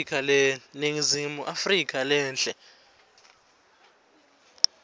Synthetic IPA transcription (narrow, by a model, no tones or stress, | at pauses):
kʰalɛneŋizimuʔafrik̬ʰʼalɛːnd͡ɮʱʼɛ